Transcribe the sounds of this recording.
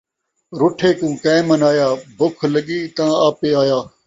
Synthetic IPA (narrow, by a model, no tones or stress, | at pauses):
ɾʊʈʰeːkũːkẽːmənaːjaːbʊkʰləɠiːt̪ãːaːpeːaːjaː